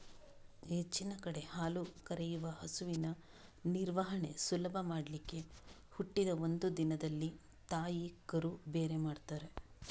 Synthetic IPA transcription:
et͡ʃːinɐkɐɽe̞haːlukɐɾejuʋɐɦɐsuʋinɐ | niɾʋɐɦɐɳe̞sulɐbʱɐmaːɽɐlikːe̞ | huʈːid̪ɐo̞nd̪ud̪inɐd̪ɐlːi | t̪aːjikɐɾube̞ːɾemaːɖt̪aːɾe̞

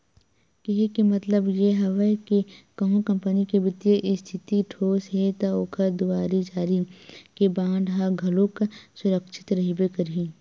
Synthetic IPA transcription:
kiɦikimɐt̪ləbjeɦɐʋəjkekɐɦũkɐ̃mpənikebɪt̪jəʔɪst̪ʰɪt̪iʈʰoːsɦet̪aoːkʰəɾd̪uaːɾid͡ʒaːɾikebãːɳɖɦaɡʱɐlõksʊɾəkʃɪ̥t̪ɾɐɦibekəɾiː

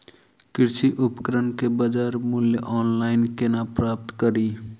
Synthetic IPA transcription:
kɪɾsiʔʊpkəɾənkebəd͡ʒaːɾmuljəʔɔːnlaːɪnkenapɾaːp̚t̪kəɾi

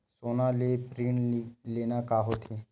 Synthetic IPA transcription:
sonalepɾiɳilenakaɦot̪ʰe

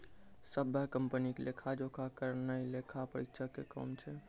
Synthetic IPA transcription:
səbʱəkəmpənikelekʰad͡ʒokʰakəɾnəilekʰapəɾikt͡ʃʰakekɔ̰mt͡ʃʰɛ

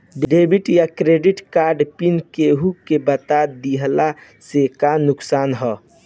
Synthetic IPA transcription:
ɖɖebiʈjakɾeɖiʈkaɾɖpinkeɦukebət̪ad̪iɦla | sekanʊksaːnɦɔ

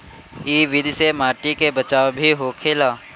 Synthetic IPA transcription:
iːʋɪd̪ʱsemaːʈikebət͡ʃaːwbʱiɦoːkʰeːlaː

